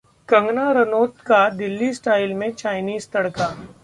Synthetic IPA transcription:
kɐ̃ŋɡnaɾɐnoːt̪kad̪ɪlːisʈaːɪlmẽt͡ʃaːɪniːzt̪ɐɽkaː

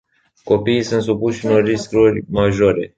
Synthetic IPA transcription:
ko̞piːsunt̪s̬upuʃɨnoriskɾurʲmaʒo̞ɾe̞

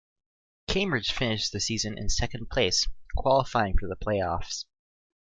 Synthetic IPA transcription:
kʰẽɪ̃mbɹɨd̥ʒ̥fɪ̃nɨʃðɨsizɨ̃nʔɨ̰̃nsɛkɨ̃n̩pʰl̥eɪskʰw̥ɑlˠəfaɪɪ̃ŋfə˞ðəpʰl̥eɪɔfs

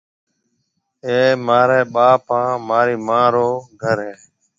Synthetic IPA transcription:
eːmaːɾeːɓaːpãːmaːɾiːmãːɾoːɡʱəɾɦẽː

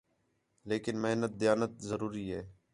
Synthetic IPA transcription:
leːkɪnmɪɦnət̪̚d̪ɪjaːnət̪̚zəɾuːɾiːɦɛː

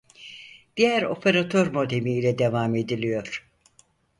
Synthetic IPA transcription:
d̪̥ijæɾo̞pʰeɾat̪ʰøɾmo̞d̪emiːlʲɛd̪evame̞d̪ilʲijo̞ɾ̥

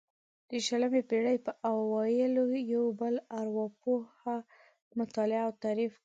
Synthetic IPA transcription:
d̪̥əʃələmepeɽəjpəʔawɑjəlojawbəlaɾwɑpoha | mʊt̪ɑlɪaːwt̪aɾif

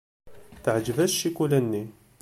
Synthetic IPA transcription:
θəʕd͡ʒvæsʃikulænːi

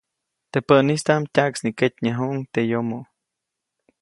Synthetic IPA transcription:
t̪epəʔnist̪amtʲaʔksniket̪ʲɲaɦuʔŋt̪ejomoʔ

